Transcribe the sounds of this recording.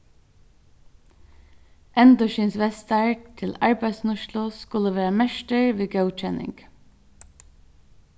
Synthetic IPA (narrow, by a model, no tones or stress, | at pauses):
ʔɛnd̪ɔʃiːnsʋɛst̪ɑɹkt̪ʰɪlɑɹbæɪsnʊʃlʊskʉləʋæːɹəmæʃʈəɹʋiːɡəʊt͡ʃɛnʔɪ̰ŋɡ̥